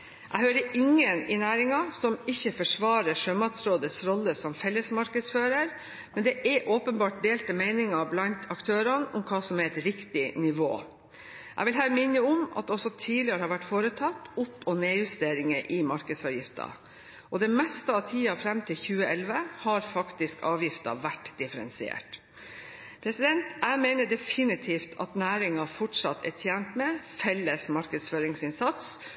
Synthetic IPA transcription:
ʔæ̰ɪhøːɾəʔɪŋːənɪnæːɾɪŋɑsɔmɪçːəfɔʂʋɑːɾəʂøːmɑt̪sɾoːd̪əsɾɔlːəsɔmfɛlːəsmɑɾkəsføːɾəɾ | mɛnd̪ɛʔɛʔoːpənbɑːʈ̚d̪eːlt̪əmeɪnɪŋɑblɑnt̪ʰɑkt̪ʰøːɾɑnʊmkʰɑːsɔmæɛt̪ɾɪkt̪ɪnɪʋo̰ː | ʔæɪʋɪlɦæːɾmɪnːəʊmɑ̰t̪̚ɔsɔt̪ʰiːlɪɑɾəhɑːɾʋæʈːfoːɾət̪ʰɑt̪ːɔpːɔneːjʉst̪eːɾɪŋəʔɪmɑɾkəd̪sɑːʋjɪft̪ɑ̰ | ʔɔd̪ɛmɛst̪əɑʋt̪ʰiːɑfɾɛmt̪ʰɪlçʉːəɛlʋəhɑɾfɑkt̪ɪskɑːʋjɪft̪ɑ̰ʋæʈːd̪̥ɪfəɾɛnsɪḛːʈ | pʰɾɛsɪd̪ɛnt̪æmeːnəɖɛfɪnɪt̪ʰiːft̪ʰɑ̰t̪næːɾɪŋɑfɔʈʂɑt̪ʰːɛ̰tʰjæːnt̪mɛfɛlːəsmɑɾkəd̪sføːɾɪŋsɪnsɑt̪s

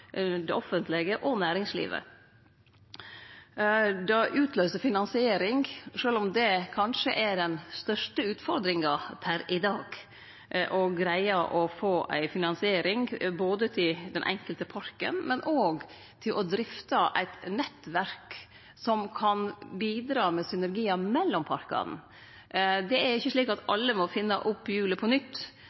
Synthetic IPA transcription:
d̪ɛʔɔfənt̪lɛɡəʔɔnæːɾɪŋslḭːʋə̰ | d̪ɑʔʉːt̪ʰløːsəfɪnɑnsɪeːɾɪŋʂøːlɔmd̪ɛkʰɑnʂəʔæɖɛnst̪œʂʈəʉːt̪fɔɾd̪ɾɪŋɑpʰæɾɪd̪ɑːɡ | ʔɔɡɾæɪɑʔɔfoːʔæ̰ɪfɪnɑnsɪeːɾɪŋboːd̪ət̪ʰɪld̪ɛnʔɛ̰ŋkəlt̪əpʰɑɾkə̰nmɛnʔoːɡ | t̪ʰɪlʔɔd̪ɾɪft̪ɑʔæ̰ɪt̪nɛt̪ːʋæɾk | sɔmkʰɑnbiːd̪ɾɑːmɛsʏnæɾɡiːɑmɛlːɔmpʰɑɾkɑ̰n̩ | d̪ɛæɾɪçːəʂɭiːkɑt̪ɑlːəmɔfɪnːɑ̰ʔʊpːjʉːləpʰɔnʏt̪ː

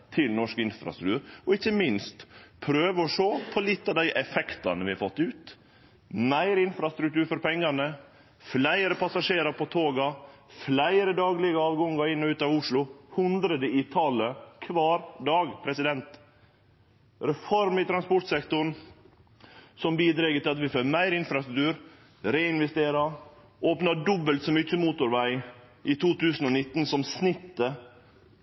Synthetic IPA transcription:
t̪ʰɪlnɔʂkɪnfɾɑ̰st̪ɾʉkt̪ʉːɾɔɪçːəmɪnst̪pʰɾøːʋəɔʂoːpʰɔlɪt̪ːɑʋd̪æɪʔɛfɛkt̪ɑ̰nəʋɪhɑfɔt̪ːʉːt̪ | mæɪɾɪnfɾɑst̪ɾʉk̚t̪ʉːɾfɔɾpɛŋːɑnə | flæɪɾəpʰɑsɑʂeːɾɑɾpʰɔt̪ʰoːɡɑflæɪɾəd̪ɑːɡlɪɡəɑːʋɡɔŋːɑɾɪnːɔʉːt̪ɑʋʊʂlʊhʉnd̪ɾəd̪əɪt̪ʰɑləkʰʋɑːɾd̪ɑːɡpʰɾɛsɪd̪ɛnt̪ | ɾɛfɔɾmɪt̪ʰɾɑnspɔʈsɛkt̪ʊɳ | sɔmbiːd̪ɾɛɡət̪ʰɪlɑt̪ʋɪføːmæɪɾɪnfɾɑst̪ɾʉkt̪ʉːɾ | ɾeːɪnʋɛst̪eːɾɑ | oːpnɑɖɔbːəlt̪sɔmʏc͡çːəmuːt̪ʊɾʋæɪ | ʔɪt̪ʰuːt̪ʉːsn̩ɔnɪt̪ːnsɔmsnɪt̪ːə

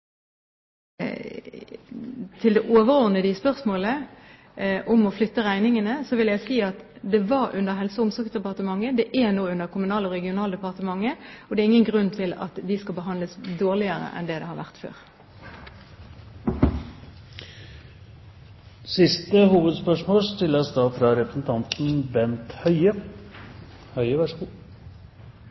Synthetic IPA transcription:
t̪ʰɪld̪ɛʔoːʋəʁɔːʁnəd̪ɪspœʁsmoːlə | ʔʊmɔflʏt̪ːəʁæɪnɪŋənəsɔʋɪljæɪsiːɑt̪d̪ɛʋɑɾʉ̰nd̪əɦɛlsɔʊmsɔʁksd̪ɛpɑʁt̪əmɑŋːəd̪ɛʔænoːʉnd̪əkʰʊmʉnɑːlɔʁɛɡɪʊnɑːld̪ɛpɑʁt̪əmɑŋːəɔd̪ɛːɾɪŋːənɡʁʉnːt̪ʰɪlɑ̰t̪d̪ɪskɑlbəɦɑnd̪ləsd̪oːʁlɪəʁə̰ʔɛ̰nd̪ɛːd̪ɛ̰hɑʁʋæʁt̪fø̰ːʁ | sɪst̪əhuːʋəd̪spœʂmoːlst̪ʰɪlːəsd̪ɑːfɾɑɾɛpɾəsn̩t̪ʰɑnt̪n̩bɛnt̪hœʏə | hœʏəʋæʂkuː

